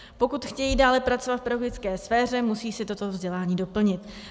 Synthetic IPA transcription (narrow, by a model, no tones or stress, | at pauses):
po̞kut̪xcɛjiːdaːlɛpɾat͡sovat̪fpɾoɡɪt͡skɛːsfɛːr̝ɛmusiːsɪt̪o̞t̪ovzɟɛlaːɲiːdo̞pl̩ɲɪt̪